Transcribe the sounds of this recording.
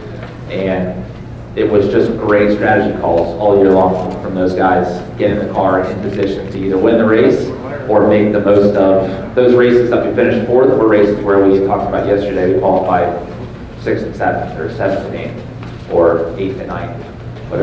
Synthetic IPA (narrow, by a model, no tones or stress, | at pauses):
ʔɨ̃n | ɪt̚wʌzd͡ʒʌsɡ̥ɹeɪtstɹ̥æɾɨd͡ʒikʰɔlˠz̥ɔlˠjɪɹlɔ̃ŋfɹʌ̃mðoʊzɡaɪz̥ɡ̥ɛɾɪ̃ŋðɨkʰɑɹɪ̰̃npɨzɪʃɨ̃ntʰɨiðə˞wɪ̃nðəɹeɪs | ʔə˞meɪk̚ðɨmoʊstʌvðoʊzɹeɪsɨzðəʔ̚wifɪ̃ñɨʃtfɔɹwə˞ɾə˞ɹeɪsɨzwə˞wi̥tʰɔkɪ̃ŋəbaʊʔ̚jɛstə˞ɾeɪwikʰw̥ɔlˠəfaɪ̥ | sɪkssɛṽn̩ə̰˞sɛṽn̩ɨnḛ̃ɪ̃n | ʔə˞eɪtɨnã̰ɪ̃n | wʌɾ